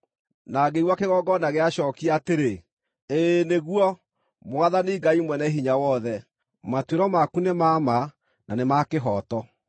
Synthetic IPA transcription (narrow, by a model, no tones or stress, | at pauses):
naɡeiwakeɣɔɡɔnaɣɛaʃɔkiateɾe | eneɣwɔ | mwaðaneːɡaimwɛnɛɦiɲawɔðɛ | matweɾɔmakunemama | nanemakeɦɔtɔ